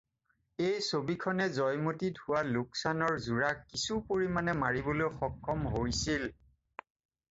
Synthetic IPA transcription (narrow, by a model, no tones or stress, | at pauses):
ejsobikʰɔnɛzɔjmotidʱuwalʊksanɔɹzuɹakːisupoɹimanɛmaɹibolojxɔkʰːɔmɦoɹisil